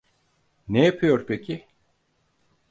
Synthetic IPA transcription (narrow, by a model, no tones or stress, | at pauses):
nejapʰɯjo̞ɾpʰecʰɪ